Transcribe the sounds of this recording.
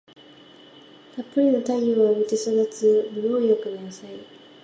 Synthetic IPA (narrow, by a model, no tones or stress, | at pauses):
kapːɯɾʲinot̪ajoβamit̪esoɡat͡sɨmijoːjokɯnaasai